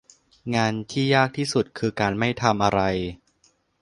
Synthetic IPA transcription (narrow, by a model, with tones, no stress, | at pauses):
ŋaː˧nt̪ʰiː˥˩jaː˥˩k̚t̪ʰiː˥˩su˨˩t̪̚kʰɯː˧kaː˧nma˥˩jt̪ʰa˧mʔa˧ɾa˧j